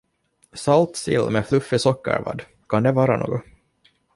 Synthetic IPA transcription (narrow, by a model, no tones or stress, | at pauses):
sɑlt̪sɪ̰lːmɛflɵfːɪsɔkːə̰ɾvɑ̰d̪ | kʰɑnd̪ɛvɑːɾano̰ːɡɔ